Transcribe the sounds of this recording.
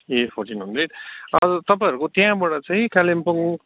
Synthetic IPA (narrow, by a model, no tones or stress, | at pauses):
epʰoɾʈinɦʌ̃nd̪reʈʌʌt̪ʌpãj̃ʌɾukot̪jãbʌɽat͡sãĩkalimpoŋ